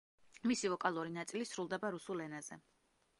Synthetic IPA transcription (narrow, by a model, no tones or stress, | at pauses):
misivɔkʼalˠuɾinat̪sʼilisɾulˠd̪ɛbaɾusulɛnaz̥ɛ̰